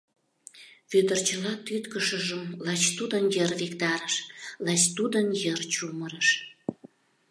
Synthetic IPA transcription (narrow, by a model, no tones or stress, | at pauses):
βyd̪ərt͡ɕəlɑt̪yt̪kəʃəʒəmlɑt͡ɕt̪ud̪ənjərvekt̪ɑɾəʃlɑt͡ɕt̪ud̪ənjərt͡ɕuməɾəʃ